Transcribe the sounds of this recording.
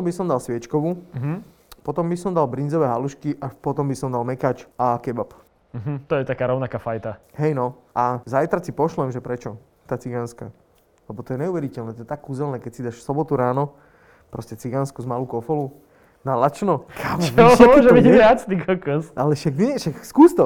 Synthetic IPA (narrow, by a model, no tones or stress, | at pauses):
ɔmbisɔmd̪alsʋɪɛt͡ʃkɔʋuɦ | pɔt̪ɔmbisɔmd̪albɾind͡zɔʋɛːɦaluʃkiʔapɔt̪ɔmbisɔmd̪almɛkaːt͡ʃakɛbap | m̩ɦm̩t̪ɔjɛt̪akaːɾɔʊnakaːfajt̪aɦɛjnɔʔazajt̪ɾat͡sipɔʃlɛmʒɛpɾɛt͡ʃɔ | t̪aːt͡siɡanska̰ | lɛbɔt̪ɔjɛɲɛuʋɛɾicɛlnɛːt̪ɔjɛt̪akːuːzɛlnɛːkɛcsid̪aʃfsɔbɔt̪uɾaːnɔ | pɾɔscɛt͡siɡanskuzmaluːkɔfɔlu | nalat͡ʃnɔkʰaːʋɔt͡ʃimɔʒɛbiɪat͡st̪ikɔkɔsʔalɛʃaɡniɛʃakskuːst̪ɔ